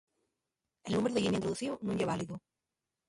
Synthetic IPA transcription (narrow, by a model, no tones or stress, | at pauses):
e̞lnũmeɾoðeinint̪ɾoðuθionũɲeβaliðu